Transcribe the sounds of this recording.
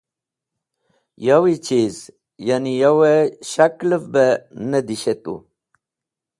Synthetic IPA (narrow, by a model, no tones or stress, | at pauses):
jawit͡ʃiz | janijaweʃakləvbenəd̪iɕet̪ṵ